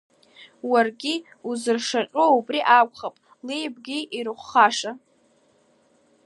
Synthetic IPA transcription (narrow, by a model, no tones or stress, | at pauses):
warɡʲi | uzɨrʂaʈ͡ʂʼoubriʔakʷʰʼχapʼ | lejb̚ɡʲiiɾɨχʷχaʂa